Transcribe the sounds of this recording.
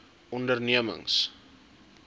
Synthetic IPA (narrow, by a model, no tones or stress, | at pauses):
ɔndərniəmə̰ŋs